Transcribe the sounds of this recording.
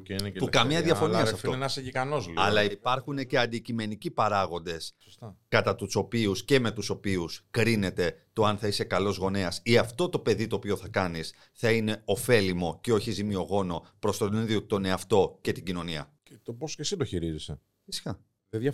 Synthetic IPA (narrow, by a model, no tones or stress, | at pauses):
enepukɐmɲɐððjɐfo̞niɐsɐfoɐsʝikɐnozlɐ̰lɐiipɐɾxunece̞ɐnd̪icime̞nicipɐɾɐɣo̞nd̪e̞sso̥st̪ɐkɐt̪ɐt̪uso̞piusce̞me̞t̪uso̞piuskɾine̞t̪e̞t̪o̞ɐnθɐise̞kɐlo̞zɣo̞neɐsiɐft̪o̞t̪o̞pe̞ðit̪oːpio̞θɐkɐnis | θɐine̞o̞fe̞limo̞ceo̞çizimio̞ɣo̞no̞pɾo̞st̪o̞t̪niðiot̪o̞ne̞ɐft̪o̞ce̞t̪iɟino̞niɐ̰ | t̪oposcesid̪oçiɾizise | fisi̥kɐ | eðɐ